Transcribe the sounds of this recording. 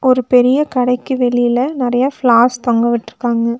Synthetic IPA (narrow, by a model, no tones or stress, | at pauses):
ʔɔɾɯpɛɾɪjɐkɐɽɐɪkːɯʋɛɭɪjɪlɐnɪɾɐjɐfɭaːst̪ɔŋɡɐʋɪʈːɪɾɯkːaːŋɡɐ